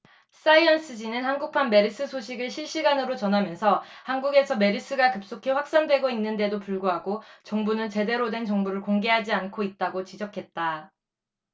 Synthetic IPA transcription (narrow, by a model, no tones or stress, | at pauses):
s͈aiʌns͈ʰɯd͡ʑinɯnhanɡuk̚pʰanme̞ɾis͈ʰɯsʰoɕʰiɡɯɭɕʰiɭɕ͈iɡanɯɾot͡ɕʌnɦamjʌnsʰʌhanɡuɡe̞sʰʌme̞ɾis͈ʰɯɡakɯp̚s͈okʰe̞ɸwak̚s͈andwe̞ɡoinːɯnde̞dopuɭɡoɦaɡot͡ɕʌŋbunɯnt͡ɕe̞de̞ɾodwe̞nt͡ɕʌŋbuɾɯɭkoŋɡe̞ɦad͡ʑiankʰoit̚t͈aɡot͡ɕid͡ʑʌkʰe̞t̚t͈a